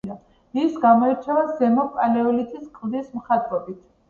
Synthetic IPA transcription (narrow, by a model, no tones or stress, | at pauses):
a | isɡamɔɛɾt͡ʃʰɛvazɛmɔpʼalɛɔlit̪ʰiskʼvd̪ismχat̪ʼɾɔbit̪ʰ